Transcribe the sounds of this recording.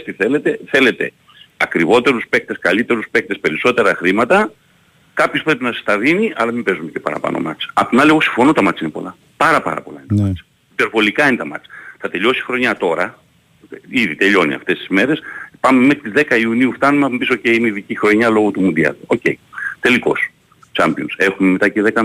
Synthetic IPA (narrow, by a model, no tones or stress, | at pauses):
st̪iθe̞le̞t̪e̞θe̞le̞t̪e̞̰ | ɐkɾivo̞t̪e̞ɾuspe̞k̚t̪e̞skɐlit̪e̞ɾuspek̚t̪e̞spe̞ɾiso̞t̪e̞ɾɐxɾimɐt̪ɐ | kɐpçospɾe̞pinɐsest̪ɐðiniʔɐlɐmimbe̞zume̞cepɐ̰ɾɐ̰pɐ̰no̰mɐt͡sɐpt̪inɐlieɣo̞si̥ɱfo̞not̪ɐmɐt͡sinepo̞lɐ | pɐɾɐpɐ̰ɾɐ̰po̞lɐ̰inet̪mɐt͡s | ipe̞ɾvo̞likɐinet̪ɐmɐ̰t͡sθɐt̪e̞ʎo̞si̥xɾo̞ɲɐt̪o̞ɾɐ | iðit̪e̞ʎo̞nḭɐ̰ft̪e̞st̪i̥zme̞ɾe̞spɐmemexɾit̪izðekɐiuniuft̪ɐnumeɐumpisoceiineiðicixɾo̞ɲɐlo̞ɣot̪umund̪iɐ̰luo̞ce̞̰it̪e̞liko̞̰s | t͡ʃɐmpionse̞xumemet̪ɐceðe̞kɐ